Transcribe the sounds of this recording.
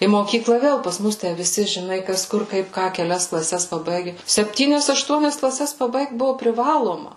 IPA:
iː moːˈkʲiːklˠɑː ˈʋʲeːlˠ pɐs ˈmʊs ˈtʲæ ʋʲɪˈsʲɪ ʒʲɪˈnɐɪ ˈkɐs ˈkʊr ˈkɐɪp ˈkɑː kʲɛˈlʲɛs klˠɐˈsʲɛs pɐˈbɐɪɡʲɛ sʲɛpʲˈtʲiːnʲɛs ɐʃˈtuɔnʲɛs klˠɐˈsʲɛs pɐˈbɐɪkt ˈbʊʋoː pʲrʲɪˈʋɑːlˠoːmɐ

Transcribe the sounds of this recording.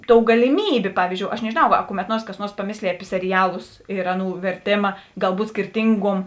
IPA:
ˈtoːʊ ɡɐlʲɪˈmʲiːbʲeː ˈpɑːʋʲiːzʲd͡ʒʲoːʊ ɐʃ nʲɛʒʲeːˈnɐʊ ɐ kʊmʲɛt ˈnuɔrs kɐs ˈnuɔrs pɐˈmʲeːsʲlʲeːj ɐpʲɪ sʲɛrʲɪˈjæːlˠʊs ɪr ˈɑːˌnuː ʋʲɛrʲˈtʲeːmɐ ɡɐlˠˈbuːt sʲkʲɪrʲˈtʲɪŋɡuɔm

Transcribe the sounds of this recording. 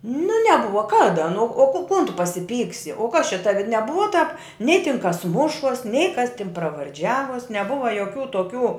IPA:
nʊ nʲɛˈbʊʋɐ ˈkɑːdɐ nʊ oː koː koːn tʊ pɐsʲɪˈpʲiːksʲɪ oː kɐs t͡ʃʲɛ ˈtɑːʋʲɪ nʲɛˈbʊʋɐ tɑːp nʲɛɪ tʲɪn kɐs ˈmʊʃuɔs nʲɛɪ kɐs tʲɪn prɐʋɐrʲˈd͡ʒʲæːʋuɔs nʲɛˈbʊʋɐ joːˈkʲuː toːˈkʲuː

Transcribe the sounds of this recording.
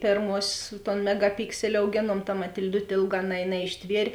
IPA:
ˈpʲeːrmuɔsʲeːs toːn mʲɛɡɐˈpʲɪksʲɛlʲɪ ɐʊˈɡʲeːnuɔm tɐ mɐtʲɪlʲˈdʊtʲ ˈeːlˠˌɡɑː nɐ nɐɪʃʲˈtʲʋʲiɛrʲ

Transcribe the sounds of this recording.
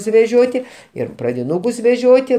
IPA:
sʊʋʲɛˈʒʲoːtʲɪ ˈɪr prɐdʲɪˈnuːkʊs ʋʲɛˈʒʲoːtʲɪ

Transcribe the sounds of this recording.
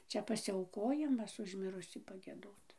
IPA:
ˈt͡ʃʲɛ pɐsʲɪˈɐʊkoːjɪmɐs ʊʃ ˈmʲɪrʊsʲiː pɐˈɡʲiɛdoːt

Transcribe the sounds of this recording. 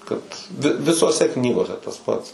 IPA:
kɐt ʋʲɪ ʋʲɪsoːˈsʲɛ ˈknʲiːɡoːsʲɛ tɐs ˈpɐts

